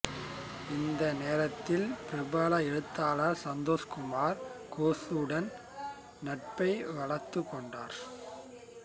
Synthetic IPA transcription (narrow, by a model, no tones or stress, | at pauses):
ɪnd̪ɐneːɾɐt̪ːɪlpɪɾɪbaːlɐɛɻɯt̪ːaːlasɐnd̪oːskʊmaːɾkoːsɯɽɐn | nɐʈ̚pɐɪʋɐɭɐɾt̪ːɯkːɔɳɖaːɾ